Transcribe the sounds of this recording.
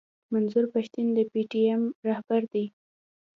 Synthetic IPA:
manzuɾpaʃt̪ind̪əpiʈiɛmɾahbaɾd̪i

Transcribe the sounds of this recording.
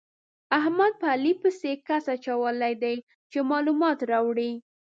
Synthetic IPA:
aɦmad̪̚palipəsekasat͡ʃawəlajd̪aj | t͡ʃemɑlumɑt̪ɾɑwɽi

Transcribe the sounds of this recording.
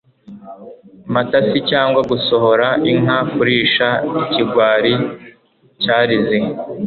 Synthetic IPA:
matasicaːŋɡwaɡuso̞ɦo̞ɾaiŋ̥afuɾiːʃaiciɡwaːɾi | caːɾize

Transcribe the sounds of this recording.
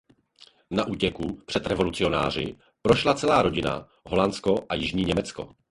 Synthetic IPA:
naʔuːcɛkupr̥ɛt̪ɾɛvo̞lut͡sɪo̞na̰ːr̝ɪ̰ | pɾo̞ʃlat͡sɛlaːɾo̞ɟɪna̰ | ɦo̞lant͡sko̞ʔajɪʒɲiːɲɛmɛt͡sko̞̰

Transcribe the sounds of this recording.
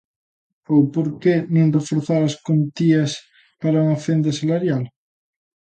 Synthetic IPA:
owpoɾkenẽnd̪ofoɾθaɾɐskont̪iɐs | paɾauŋɐfend̪ɐsalaɾjal

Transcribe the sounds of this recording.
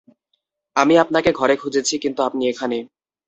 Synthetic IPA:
amiapnakeɡʱɔɾekʰud͡ʑet͡ɕʰikint̪uap̚niekʰane

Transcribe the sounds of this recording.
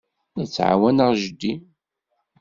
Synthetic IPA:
næt͡sːʕa̰wænəʁʒəd̪ːi

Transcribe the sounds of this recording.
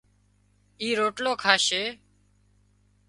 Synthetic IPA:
iːɾoːʈloːkʰaːʃeː

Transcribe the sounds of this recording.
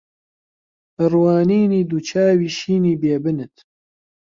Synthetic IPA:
ɨrwaːniːniːd̪ut͡ʃʰaːwiːʃiːniːbeːbɨnɨt̪

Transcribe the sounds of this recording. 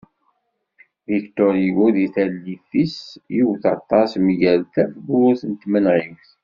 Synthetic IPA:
vikt̪ɔɾjiɡuðiθælːifisjuwθɑt̪ˤːɑsmʝælθæfbʊʁuθənt̪mənʁifθ

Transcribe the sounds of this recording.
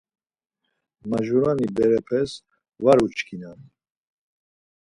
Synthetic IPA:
maʒuɾanibɛɾɛpʰɛs | vaɾut͡ʃʰkʰinan

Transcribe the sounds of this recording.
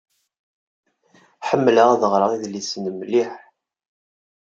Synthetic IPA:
ħəmːləʁæðəʁɾɑʁiðlisnəmliħ

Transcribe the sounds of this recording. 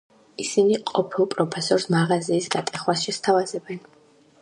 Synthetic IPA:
isiniqʼɔpʰilˠpʼɾɔpʰɛsɔɾsmaʁaziːsɡat̪ʼɛχwasʃɛst̪ʰavazɛbɛn

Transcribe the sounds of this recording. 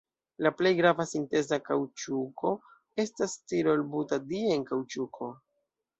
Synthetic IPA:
laple̞jɡɾavasinte̞zakawt͡ʃuko̞ | e̞stastiɾo̞lbutadienkawt͡ʃukʰo̞

